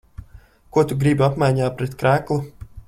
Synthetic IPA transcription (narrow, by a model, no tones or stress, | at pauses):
kuɔt̪uɡɾibapmajɲaːpɾɛt̪kɾæːklˠu